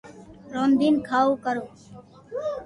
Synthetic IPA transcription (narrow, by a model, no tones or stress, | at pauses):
ɾoːnd̪iːnkʰaːuːkəɾoː